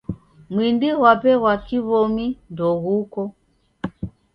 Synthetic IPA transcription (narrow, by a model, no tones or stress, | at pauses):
mwindiɣwapɛɣwakiβɔmindɔɣukɔ